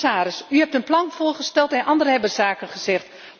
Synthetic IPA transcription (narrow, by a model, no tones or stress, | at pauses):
aːɾəsyhɛp̚tənplɑnfʊːərχəstɛlˠtɛnʔɑndərəɦɛbərz̥aːkənχəz̥ɛxt